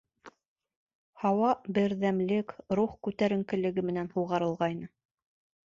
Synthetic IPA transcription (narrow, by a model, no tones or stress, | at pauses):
hɑwɑbɘ̆ɾðæmlɘkɾuχkʉt̪æɾɘ̆ŋkɘ̆lɘ̆ɡɘmɘ̆nænhuwʁɑɾɤ̆lˠʁɑjnɤ